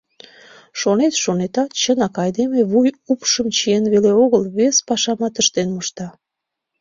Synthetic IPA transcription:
ʃonet̪ʃonet̪ɑt̪̚t͡ɕənɑkɑjd̪emeβujupʃəmt͡ɕienβeleoɣəlβespɑʃɑmɑt̪əʃt̪enuʃt̪ɑ

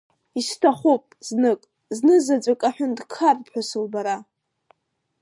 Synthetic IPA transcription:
istʰaχʷupʼznɨkʼ | znɨzad͡ʒʷʼakʼaħʷᶣʊndkʰarpʰħʷᶣasɨlbaɾa

